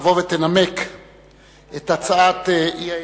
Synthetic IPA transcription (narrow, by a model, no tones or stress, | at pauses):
vo̞vet̪enamek | et̪at͡saat̪eia